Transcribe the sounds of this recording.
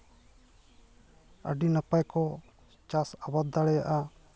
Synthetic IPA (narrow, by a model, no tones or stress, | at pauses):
ə̰ɖinapajkɔ | t͡ʃasabat̪d̪aɽɛjaʔa